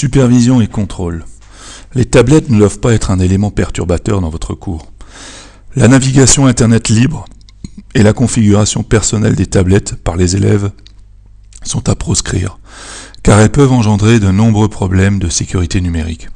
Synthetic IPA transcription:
sypɛʁvizjɔ̃ekɔ̃t̪χol | let̪ablɛt̪nəd̪wavpaɛt̪χɛ̃nelemɑ̃pɛʁt̪yʁbat̪œʁd̪ɑ̃vɔt̪χəkʰuːʁ | lanaviɡʲasjɔ̃ɛ̃t̪ɛʁnɛt̪libʁ | elakɔ̃fiɡʲyʁasjɔ̃pɛʁsɔnɛld̪et̪ablɛt̪paʁlezelɛ̰v | sɔ̃t̪apχɔskχḭːʁkaʁɛlpœvɑ̃ʒɑ̃d̪ʁed̪ənɔ̃bʁøpχɔblɛmd̪əsekʲyʁit̪enymeʁḭk

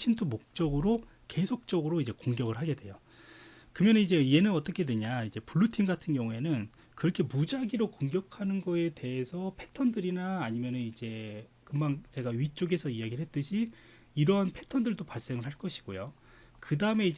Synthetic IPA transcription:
ɕʰintʰumok̚t͡ɕ͈ʌɡɯɾo | ke̞sʰok̚t͡ɕ͈ʌɡɯɾoid͡ʑe̞koŋɡjʌɡɯɭɦaɡe̞dwe̞jo | kɯmjʌnɯnid͡ʑe̞ie̞nɯnʌt͈ʌkʰe̞dwe̞ɲaid͡ʑe̞puɭːutʰiŋɡatʰɯnɡjʌŋɦue̞nɯn | kɯɾʌkʰe̞mud͡ʑaɡiɾokoŋɡjʌkʰanɯnɡʌe̞te̞e̞sʰʌpʰe̞tʰʌndɯɾinaːɲimjʌnɯnid͡ʑe̞ | kɯmaŋt͡ɕe̞ɡaɥit͡ɕ͈oɡe̞sʰʌiaɡiɭɦe̞t̚t͈ɯɕʰi | iɾʌɦanpʰe̞tʰʌndɯɭdopaɭs͈e̞ŋɯɭɦaɭk͈ʌɕʰi̥ɡ̥ojo | kɯdaɯme̞id͡ʑ

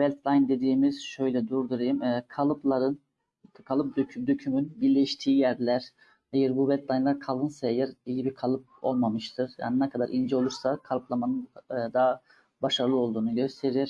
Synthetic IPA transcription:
vɛlʲt̪ʰlˠajnd̪e̞d̪iːmiz̥ʃø̞jlʲɛd̪uɾd̪uɾajimɛkʰalˠɯplˠaɾɯn | kʰalˠɯp̚d̪ød̪øcʰymynbiɾlʲɛʃt̪ʰiːjæɾlʲæɾ̥ | ejɛɾbuvɛlʲt̪lˠajnlˠaɾkʰalˠɯnsaejɛɾijibikʰalˠɯp̚o̞̰lˠmamɯʃt̪ʰɯɾ̥ja̰ːninɛkʰad̪aɾʔind͡ʒɛo̞lˠuɾsakʰalˠɯplˠamanɯnːd̪aː | baʃaɾɯlˠɯo̞lˠd̪uːnuɟøst̪ʰe̞ɾiɾ̥

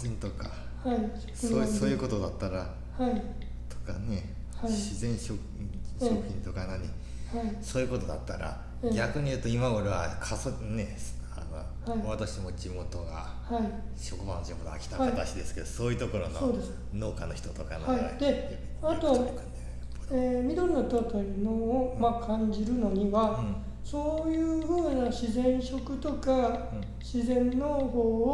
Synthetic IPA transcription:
ĩnt̪o̞ka | hai | soːsoːjɯ̟ːko̞t̪o̞d̪at̪ːaɾa | hai | t̪o̞̥ka̰ne̞ | haiɕizẽ̞ɰ̃ɕo | ɕokɯ̟çʲĩnt̪o̞kanaɲ̟i | haisoːjɯ̟ko̞t̪o̞d̪a̰t̪ːaɾa̰ | ɡʲakɯ̟ɲ̟ijɯ̟ːt̪o̞imaoɾeβakʰasone̞a̰no̰ | haiat̪aɕimo̞d͡ʑimo̞t̪o̞ɡa̰ | haiɕo̞kɯ̟ba̰nod͡ʑimo̞t̪o̰a̰kʲi̥t̪ahaait̪aɕid̪e̞sɨ̥ke̞d̪osoːjɯ̟t̪o̞ko̞ɾo̰nsoo̞ːd̪e̞sɨ̥ | no̞ːkanoçi̥t̪o̞t̪o̞ka̰nhaid̪e̞ | at̪o̞ | oeːmʲid̪o̞ɾnot̪ot̪ojɯnoːmakʰãɲd͡ʑiɾɯ̟no̞ɲ̟iβa | so̞ːjɯ̟ːɸɯ̟ːnaɕizẽ̞ɰ̃ɕo̞kɯ̟t̪o̞ka | ɕizẽ̞nːo̞ho̞ːo

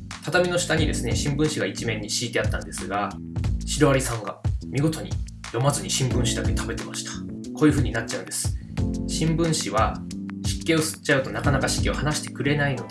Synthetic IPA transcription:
t̪at̪amʲino̞ɕi̥t̪aɲ̟id̪e̞̰sɨne̞ɕĩmbɯ̟̃ɰ̃ɕiɡait͡ɕimẽ̞ɲ̟ːiɕiːt̪e̞at̪ːãnd̪e̞sɨɡa | ɕiɾoβaɾʲisãŋɡamʲiɡo̞t̪o̞ɲ̟ḭ | jo̞mazɨɲ̟iɕĩmbɯ̟̃ɰ̃ɕid̪ake̞t̪ʰabe̞t̪e̞maɕi̥t̪ḁ | ko̞ːjiɯ̟ɸɯ̟ːɲ̟inat̚t͡ɕaɯ̟nd̪e̞sɨ̥ | ɕĩmbɯ̟̃ɰ̃ɕiβaɕi̥kːe̞ːo̞sɨ̥t͡ɕaɯ̟t̪o̞nakanakaɕi̥kʲio̞hanaɕi̥t̪e̞̥kɯ̟ɾe̞naino̞d̪e

